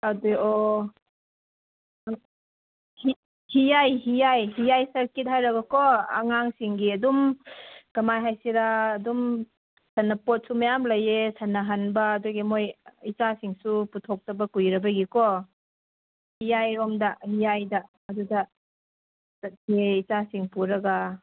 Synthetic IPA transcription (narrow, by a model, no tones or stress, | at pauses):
aduɔ | hi | hijajɦijajɦijajsɐɾkit̚hajɾɐɡɐkɔɐ̰ŋaŋsiŋɡiɐdum | kɐmajɦajsiɾaːdum | sanːɐpɔt̚sumajamlɐjesɐnːɐɦanbɐːduɡimojit͡ʃasiŋsuputʰɔk̚tɐbɐkujɾɐbɐɡikɔ | hijajɾɔmdɐhijajdɐː | dudɐ | sɐt̚hiit͡ʃasiŋpuɾɐɡa